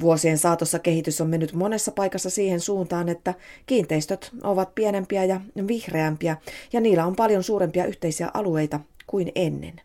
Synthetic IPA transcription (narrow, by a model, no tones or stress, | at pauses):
ʋuosie̞nsɑːt̪osːɑke̞hit̪ysomme̞nːyt̪mo̞ne̞sːɑpɑjkɑsːɑsiːhe̞nsuːnt̪ɑːne̞t̪ːækiːnt̪e̞ist̪øt̪ʔo̞ʋɑt̪̚piene̞mpiæjɑʋihre̞æmpiæjɑniːlːæo̞mpɑljo̞nsuːɾe̞mpiɑʔyht̪e̞isiæ̰ʔɑlue̞jt̪ɑkuine̞nːe̞̰n